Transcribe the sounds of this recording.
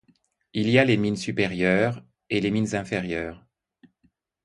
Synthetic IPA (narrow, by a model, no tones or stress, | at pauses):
ilialeminsypeʁjœːʁ | eleminzɛ̃feʁjœːʁ